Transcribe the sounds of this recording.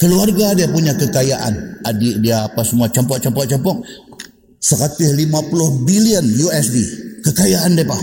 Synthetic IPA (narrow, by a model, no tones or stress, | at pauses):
kəluarɡadiapuɲakəkajaʔa̰nadɪʔdiaːpasəmuat͡ʃɔmpɔʔ̚t͡ʃɔmpɔʔ̚t͡ʃɔmpɔk̚ | səkat̪ɪhlimapulʊhbiliənjuɛsdikəkajaʔandiapah